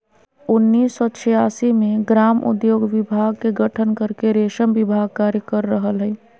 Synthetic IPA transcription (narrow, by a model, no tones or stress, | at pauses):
unːiːsːɔt͡ʃʰijasimeɡɾamṵd̪joːɡʋibʱaɡ̚keɡəʈʰənkəɾkeɾeʃəmʋibʱaɡ̚kaɾjəkəɾːəɦəlɦɛ